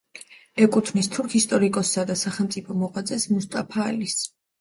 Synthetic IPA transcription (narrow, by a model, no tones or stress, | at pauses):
ɛkʼut̪ʰnist̪ʰuɾkʰist̪ʼɔɾikʼɔsːad̪asaχɛlˠmt̪sʼipʰɔmɔqʼwad̪zʼɛsmust̪ʼapʰaːlis